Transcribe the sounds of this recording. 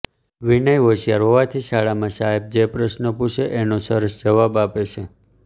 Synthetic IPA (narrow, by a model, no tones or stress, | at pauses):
ʋinəjʋəʃijaɾɦoʋat̪ʰiʃaɭamãʃaɦeb̚d͡ʒepɾəʃnəpuʃeʔenõsəɾəsd͡ʒəʋabapet͡ʃʰe